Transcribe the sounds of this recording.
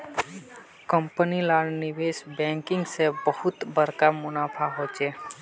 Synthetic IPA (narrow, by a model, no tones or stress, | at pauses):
kə̃mpənilaːɽnɪʋeːsbɛ̃ːŋkɪ̃ŋɡsebəhʊt̪bəɾkamʊnaːpʰaɦoːt͡ʃeː